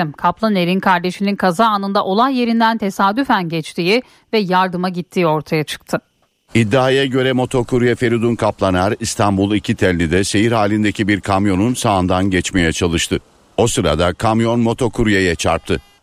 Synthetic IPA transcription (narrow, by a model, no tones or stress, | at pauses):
mkʰaplˠaneɾinkʰaɾd̪e̞ʃininkʰazaːnɯnd̪aʔo̞lˠahje̞ɾind̪ænt̪ʰe̞saːd̪yfænɟɛt͡ʃt̪ʰiːji | vɛjaɾd̪ɯmaɟit̪ʰːiːio̞ɾt̪ʰajat͡ʃʰɯ̥k̚t̪ʰɯ | id̪ːaːjaɟø̞ɾɛmo̞t̪ʰo̞kʰuɾujɛfe̞ɾid̪unkʰaplˠanaɾist̪ʰambulˠicʰit̪ʰɛlʲːid̪ɛse̞jiɾhaːlʲind̪ecʰibiɾkʰamjo̞nunsaːnd̪anɟɛt͡ʃme̞jɛt͡ʃʰalˠɯʃt̪ʰɯ | o̞sɯɾa̰d̪akʰamjo̞nmo̞t̪ʰo̞kʰuɾujejɛt͡ʃʰa̰ɾp̚t̪ʰɯ